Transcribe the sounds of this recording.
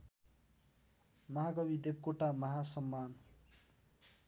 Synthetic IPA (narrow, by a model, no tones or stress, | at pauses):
mʌɦaɡʌbid̪eb̚koʈamʌɦasʌmːan